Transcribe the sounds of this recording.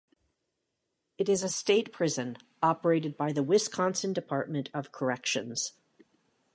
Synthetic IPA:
ɨɾɨzɨsteɪt̚pʰɹ̥ɪzɨ̃n | ɑpə˞eɪɾɨd̚baɪðəwɪskʰɑ̃nsɨ̃n̩dɨpʰɑɹt̚mɨ̃ntʰʌv̥kʰə˞ɛkʃɨ̰̃nz̥

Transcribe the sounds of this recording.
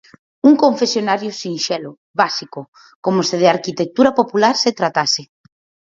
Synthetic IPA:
uŋkõɱfesjonaɾjʊsĩnʃɛlʊ | βasikʊ | komoseð̞eaɾkit̪ek̚t̪uɾapopulaɾset̪ɾat̪asɪ

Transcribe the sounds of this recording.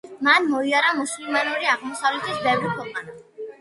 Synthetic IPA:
manmɔiaɾamuslimanuɾiaʁmɔsavlɛt̪ʰisbɛvɾikʰwɛqʼan

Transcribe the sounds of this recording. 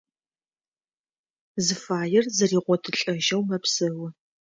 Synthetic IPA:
zɨfaːjɪrzɐriːʁʷɔtʰɨɬʼɐʒɐwmɐpsɨwʊ

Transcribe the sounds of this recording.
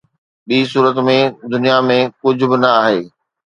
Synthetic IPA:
ɓiːs̬uːɾət̪mẽd̪ʊnijamẽkʊd͡ʑʱʊbɪnɐaːɦeː

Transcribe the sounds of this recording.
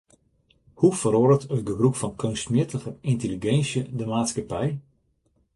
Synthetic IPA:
hufəɾodətʰøbəbrukfɔnkʰønstmjɪtʰəɣəɪnteliɡɛnsjədəmaːtskapɛj

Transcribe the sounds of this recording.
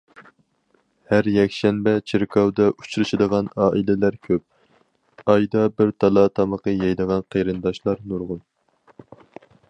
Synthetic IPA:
hæɾjɛkʲʃɛnbɛt͡ʃʰiɾkʰɑwd̪ɑʔu̥t͡ʃɾɨʃɨd̪əʁɑnɑːʔilɪlæɾkʲʰøp̚ | ɑjd̪ɑbɪɾt̪ʰɑlˠɑt̪ʰɑməqəjɛjd̪əʁɑnqʰeɾɨnd̪ɑʃlˠɑɾnuɾʁʊn

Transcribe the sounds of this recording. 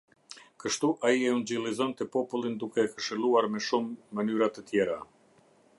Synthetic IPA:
kəʃt̪uʔaiɛund͡ʑilˠizɔnt̪ɛpɔpulˠind̪ukɛkəʃəlˠuaɾmɛʃumːənyɾat̪ət̪jɛɾa

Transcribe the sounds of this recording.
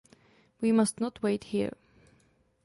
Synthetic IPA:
wimʌstnətʰweɪthḭɹ

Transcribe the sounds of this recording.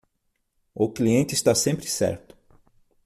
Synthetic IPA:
ʊkliẽnt͡ʃɪːst̪asẽmpɾɪsɛ̰ɾt̪ʊ̥

